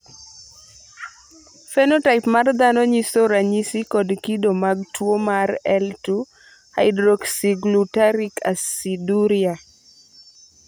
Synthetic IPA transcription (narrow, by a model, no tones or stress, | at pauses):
fɛnotaɪpmard̪anɔɲisoɾaɲisikɔdkidomaɡ̚twomaɾɛltu | ha̰ɪdɾoksiɡlutaɾikʰasiduɾia